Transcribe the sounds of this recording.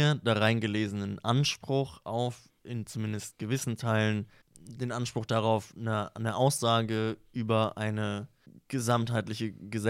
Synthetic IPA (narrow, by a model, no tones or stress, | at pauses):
ɐdaʁaɪnɡəleːzənənʔanʃpʁ̥ʊxʔaʊf | ʔɪnt͡sumɪndəst̚ɡ̥əvɪsn̩tʰaɪlən | deːnʔanʃpʁ̥ʊxd̥aʁaʊfnənəʔaʊsz̥aːɡəʔyːbɐʔaɪnə | ɡ̥əzamthaɪtlɪçəɡəzɛ